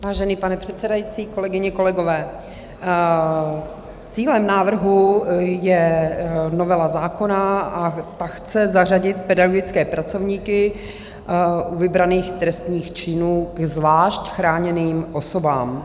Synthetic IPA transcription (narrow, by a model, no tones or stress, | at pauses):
vaːʒɛniːpanɛpr̝̥ɛt̪sɛdajit͡siːko̞lɛɡɪɲɪko̞lɛɡo̞vɛː | t͡siːlɛmnaːvr̩ɦujɛ | novɛlazaːko̞naat̪axt͡sɛzar̝aɟɪt̪pɛdaɡoɡɪt͡skɛːpɾat͡so̞vɲiːkɪ | ʔuvɪbɾaniːxt̪ɾɛst̪ɲiːxt͡ʃɪnuːɡzvaːʃcxɾaːɲɛniːmʔo̞so̞baːm